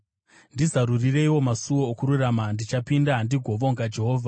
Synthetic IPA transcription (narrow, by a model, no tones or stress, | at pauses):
ndizaɾurire̞iwo̞masuwo̞ːkuɾuramandit͡ʃapindaɦandiɡʱo̞ʋo̞ŋɡad͡ʒe̞ɦoːvʱa